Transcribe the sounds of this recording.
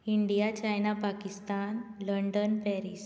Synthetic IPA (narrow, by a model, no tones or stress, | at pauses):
iɳɖijat͡ɕajnapakist̪anləɳɖənpɛɾis